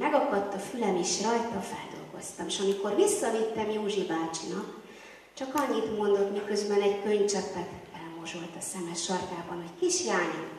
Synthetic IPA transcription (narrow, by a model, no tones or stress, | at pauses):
mɛɡɒkɒt̪ːɒfylɛmeːʃrɒjt̪ɒfɛ̰ld̪o̞̰lɡo̞̰st̪ɒmeːʃɒmiko̞rʋisːɒvit̪ːɛmjoːʒibaːt͡ʃinɒk | t͡ʃɒkɒɲːit̪mo̞nd̪o̞t̪mikø̞zbɛnɛɟkø̞ɲt͡ʃɛpːɛt̪ɛlmo̞ʒo̞lt̪ɒsɛmɛʃɒrt̪aːbɒnuckiʃjaːɲi